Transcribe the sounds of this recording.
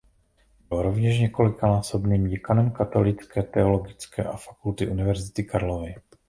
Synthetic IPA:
bɪloɾo̞vɲɛʃɲɛko̞lɪkanaːso̞bniːmjɪkanɛmkat̪o̞lɪt͡skɛːt̪ɛo̞lo̞ɡɪt͡skɛ̰ːʔafḁkult̪ɪʔunɪvɛɾzɪt̪ɪkaɾlovɪ

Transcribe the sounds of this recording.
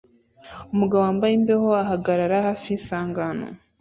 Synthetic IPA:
umuɡawoaːmbajembeho̞aɦaɡaɾaɾahafiːnsaːŋɡano̰

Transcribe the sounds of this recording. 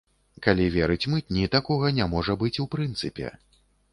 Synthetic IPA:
kalʲivʲɛɾɨt͡sʲmɨt̪̚ʲnʲit̪akɔɣɐnʲamɔʐɐbɨt͡sʲupɾɨnt̪sɨpʲɛ̰

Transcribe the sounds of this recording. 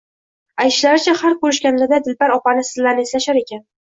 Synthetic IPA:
ajt̪ɪʃlaɾɪt͡ʃʰahaɾkɵɾɪʃkʲanlad̪ad̪ɪlbaɾɒpanɪsɪzlːaɾnɪeslaʃaɾe̞kʲan

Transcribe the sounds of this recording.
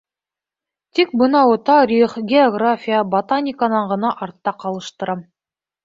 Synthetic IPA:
t̪ik̚bɤ̆nɑwɤt̪ɑɾʲiχɡʲeoɡrafʲijəbot̪anʲɪkanɑɴʁɤ̆nɑʔɑɾt̪ːɑqɑlˠɤ̆ʃt̪ɤ̆ɾɑm

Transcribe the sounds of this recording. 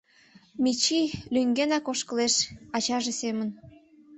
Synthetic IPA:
mit͡ɕilyŋɡenɑkoʃkə̆leʃɑt͡ɕɑʒesemən

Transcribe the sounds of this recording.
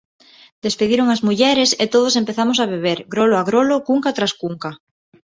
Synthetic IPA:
d̪espeðiɾoŋazmuʎɛɾeset̪oðos̬empeθamos̬aβ̞eβ̞eɾɡɾoloaɣɾolokuŋkat̪ɾaskuŋka

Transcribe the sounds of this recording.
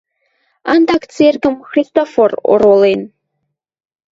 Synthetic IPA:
and̪akt͡sʰerkəmxrʲist̪oforo̰rolˠen

